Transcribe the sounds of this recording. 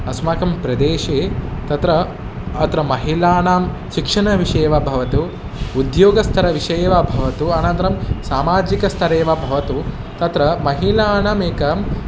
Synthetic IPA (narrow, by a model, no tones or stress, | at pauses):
ɐsmaːkɐmpɾɐd̪eːʃet̪ɐt̪ɾɐː | t̪ɾɐmɐɦilaːnaːm | ʃikʂɐɳɐʋiʂeːʋɐbʱɐʋɐt̪u | ud̪joːɡɐst̪ʰɐɾɐʋiʂɐjːʋabʱɐʋɐt̪uɐnɐnt̪ɾɐmsaːmaːd͡ʒikɐst̪ʰɐɾeːʋabʱɐʋɐt̪u | t̪ɐt̪ɾɐmɐɦilaːnaːmeːkɐm